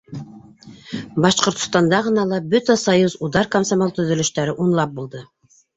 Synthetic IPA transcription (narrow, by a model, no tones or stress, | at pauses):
bɑʃqŏɾt̪ŏ̥st̪ɑnd̪ɑʁɤ̆nɑlˠɑbɵt̪æsɑjuzud̪ɑɾkamsamolˠt̪ɵ̆ðɵ̆lɵ̆ʃt̪æɾɘʔunlˠɑp̚bulˠd̪ɤ